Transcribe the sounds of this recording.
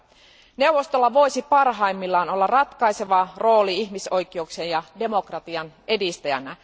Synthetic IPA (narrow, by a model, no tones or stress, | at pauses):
ne̞wʋo̞st̪o̞lːɑʋo̞jsipɑrɦɑimːilːɑːno̞lːɑrɑt̪kɑjse̞ʋɑro̞ːliiçmiso̞jkːˑieuksejjɑde̞mo̞krɑt̪iɑne̞dist̪æjæ̰næ